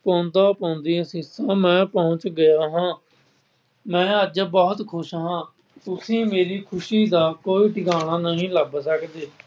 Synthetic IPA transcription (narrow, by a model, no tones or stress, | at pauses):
pɔːnt̪aːpãːʊnd̪ĩːsĩːsãːmɛ̃ːpəʊ̃t͡ʃɡəjaːɦãː | mɛ̃ːəd͡ʒbɔːt̪kʰʊʃɦãː | ʊsĩːmeːɾiːkʰʊʃiːd̪aːkoːiːʈɪkaːɽaːnəɦĩːləbsəkd̪eː